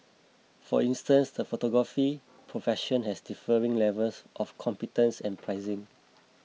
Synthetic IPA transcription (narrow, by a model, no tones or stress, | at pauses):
fɔ̰ĩnstə̃nsdəfotɔɡɹafi | pʰɹofɛʃə̃nhɛsdifəɹĩŋlɛvəlsʔɔfkʰɔ̃mpitə̃nsɛ̃npʰɹaɪzɪ̃ŋ